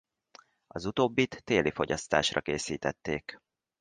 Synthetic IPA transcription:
ɒzut̪oːbːit̪ːeːlifo̞ɟɒst̪a̰ːʃrɒkeːsiːt̪ɛt̪ːeːk

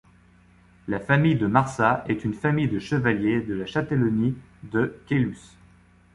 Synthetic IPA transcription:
lafamijd̪əmaʁsaɛt̪ynfamijd̪əʃəvaljed̪əlaʃat̪elɔni | d̪əkʲelys

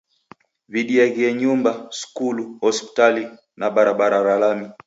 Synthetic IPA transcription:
viɗiaɣiɛɲumbasu̥kuluhɔspi̥tali | naɓaɾaɓaɾaɾalami

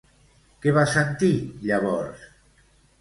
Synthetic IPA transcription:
keβasent̪iʎaβɔɾs

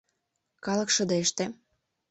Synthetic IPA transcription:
kɑlɤ̆kʃɤ̆d̪eeʃt̪e

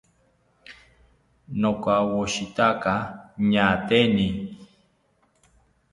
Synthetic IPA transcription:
nokawoʃit̪akaɲat̪eni

